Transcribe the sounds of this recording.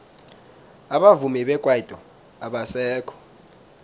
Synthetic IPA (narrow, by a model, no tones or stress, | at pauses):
aɓavumɛɓɛkʼwaitʼɔ | aɓasɛːkʰɔ̥